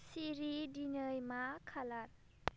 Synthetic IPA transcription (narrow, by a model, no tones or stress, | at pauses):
siɾidinəjmakʰalat̚